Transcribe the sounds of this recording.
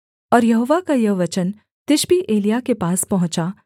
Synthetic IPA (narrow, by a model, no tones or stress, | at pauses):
ɔːɾjɐɦoːʋakajɐʋɐt͡ʃən | t̪ɪʃbiʔeːlijakepaːspɐɦʊ̃t͡ʃa